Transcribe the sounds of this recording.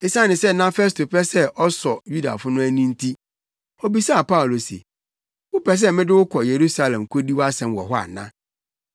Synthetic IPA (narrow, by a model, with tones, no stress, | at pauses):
e˨sã˦nɪ̃˨sɛ˦nã˦fɛ˦s̬tʰo˨pʰɛ˦sɛ˦ʔɔ˦sɔ˨ju˦da̰˨fʊ˦nʊ̃˦æ˦nĩ˦n˦tʰi˦ | ɔ˦bi˨sa˦a˨pa˦ʊ˨lo˨sḭḛ˨ | wʊ˦pɛ˨s̬ɛ˦mɪ̃˦dɪ˦wʊ˦kʰɔ˨je˨ɾu˦sa˦lɛ̃˨mkʰo˦di˦wa˦sɛ̃˨mwɔ̰˨ɦɔ˦a̰˨nã̰˦